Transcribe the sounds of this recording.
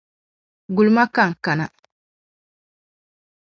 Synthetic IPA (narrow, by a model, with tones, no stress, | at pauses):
ɡu˨lu˨˦ma˦ka˦˨ŋ̩˨ka˨na˨